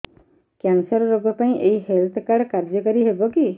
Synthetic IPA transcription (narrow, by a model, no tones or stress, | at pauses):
kjansɔɾɔɾoɡɔpaĩʔeɦihelt̪ʰkaɽkaɾd͡ʒɔkɔɾiɦebɔki